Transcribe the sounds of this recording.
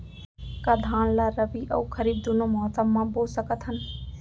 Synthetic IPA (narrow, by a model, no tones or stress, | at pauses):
kad̪ʱãːnlaɾəbiʔə̰ukʰəɾiːb̚d̪unomɔɦt̪əmmːãbolsəkət̪ɦən